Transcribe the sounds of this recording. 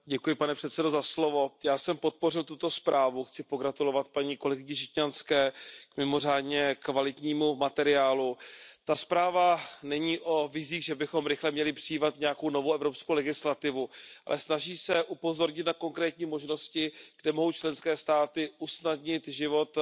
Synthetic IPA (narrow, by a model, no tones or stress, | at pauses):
ɟɛkujɪpanɛpr̥ɛt̪sɛdo̞zaslo̞vo̞jaːsɛmpo̞t̪̚po̞rɪlt̪ut̪o̞spɾaːvuxt͡sɪpo̞ɡɾat̪ulo̞vat̪̚paɲiːko̞lɛɡɪɲɪʃɪcɲanskɛːkmɪmo̞r̝aːdɲɛkvalɪt̪ɲiːmumat̪ɛɾɪaːlut̪aspɾaːvanɛɲiːʔo̞vɪziːɣʒɛbɪxo̞mɾɪxlɛmɲɛlɪpr̥ɪjiːmat̪ɲɛjako̞wno̞vowɛvɾopskowlɛɡɪslat̪ɪvuʔa̰lʔɛsnaʒiːsɛʔupo̞zo̞ɾɲɪt̪nako̞ŋkɾɛːt̪ɲiːmo̞ʒno̞scɪɡ̥dɛmo̞ɦo̞wt͡ʃlɛnskɛːst̪aːt̪ɪʔusnadɲɪt̪ʒɪvo̞t̪